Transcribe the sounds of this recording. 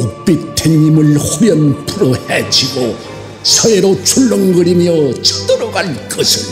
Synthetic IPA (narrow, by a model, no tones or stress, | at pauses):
kok̚p͈itʰeɲːimɯɭhuɾjʌnpʰuɾʌhed͡ʑiɡo | sʰʌeɾot͡ɕʰuɭːoŋɡɯɾimjʌt͡ɕʰʌ̥dɯɾʌɡaɭk͈ʌsʰin